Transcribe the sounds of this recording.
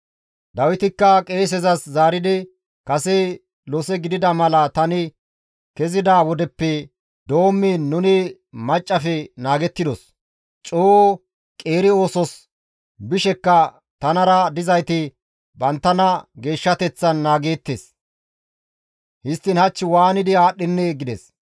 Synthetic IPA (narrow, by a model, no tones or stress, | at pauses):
d̪ɐwɪt̪ɪkːɐkʼe̞ːs̬ɛzɐszaːɾɪd̪ɪ | kɐsɛ | lɔsɛɡɪd̪ɪd̪ɐmɐlɐt̪ɐnɪ | kɛzɪd̪aːwɔd̪ɛpːɛ | d̪o̞ːmːɪnʊnɪ | mɐt͡ʃʼːɐfɛnaːɡɛt̪ːɪd̪ɔs | t͡ʃʼoː | kʼe̞ːɾɪo̞ːsɔs | bɪʃɛkːɐ | t̪ɐnɐɾɐd̪ɪzɐjt̪ɪ | bɐnt̪ːɐnɐɡe̞ːʃːɐt̪ɛt͡sːɐnːaːɡe̞ːt̪ːeːs | hɪst̪ːɪnhɐt͡ʃːɪwaːnɪd̪ɪaːɗːɪnːɛɡɪd̪ɛs